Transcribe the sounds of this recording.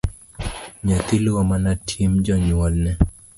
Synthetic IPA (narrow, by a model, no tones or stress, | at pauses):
ɲɔt̪ilɔmanatʰimd͡ʒɔɲwɔlnɛ